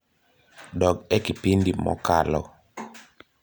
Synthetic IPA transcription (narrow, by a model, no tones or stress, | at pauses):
dɔɡɛkipindimɔ̰kalɔ